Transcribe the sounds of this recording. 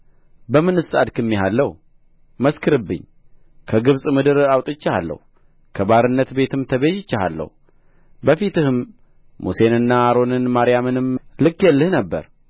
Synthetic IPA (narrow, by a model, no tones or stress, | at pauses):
bəmɨnɨsad̪kʰɨmːiɦalːəhu | məskʰɨɾɨbːɨ̰ɲː | kʰəɡɨβsʼmɨd̪ɨɾawt̪ʼɪt͡ʃːaha̰lːə̰hu | kʰəbaɾɨnːət̪be̞t̪ɨmt̪ʰəβeʃɪt͡ʃːaha̰lːə̰h | bəfit̪ɨhɨmː | use̞nɨnːaːɾo̞nɨnmaɾijamɨnɨmlɨkːjɛlːɨhnəbːə̰ɾ